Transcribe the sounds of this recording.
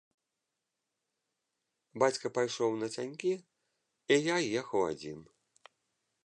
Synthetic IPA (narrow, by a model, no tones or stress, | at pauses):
bat͡sʲkɐpajʂɔwnɐt͡sʲanʲkʲi | ijajɛxɐwa̰d͡zʲḭn